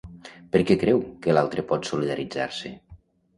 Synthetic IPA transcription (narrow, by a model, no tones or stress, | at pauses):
pəɾkɛkɾɛwkəlalˠt̪ɾəpɔt̪suliðəɾid͡za̰ɾsə̰